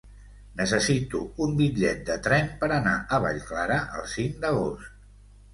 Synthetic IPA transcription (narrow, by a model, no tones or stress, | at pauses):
nəsəsit̪uumbiʎɛt̪̚d̪ət̪ɾɛnpəɾəna̰ʔəβa̰ʎklaɾəʔə̰lˠsiŋd̪əɣost̪